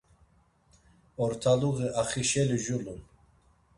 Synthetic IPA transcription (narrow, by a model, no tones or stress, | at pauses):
ɔɾt̪ʰaluʁiʔaχiʃɛliʒulun